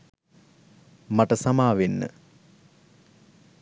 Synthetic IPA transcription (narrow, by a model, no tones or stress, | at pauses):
maʈəsamaːʋenːə̰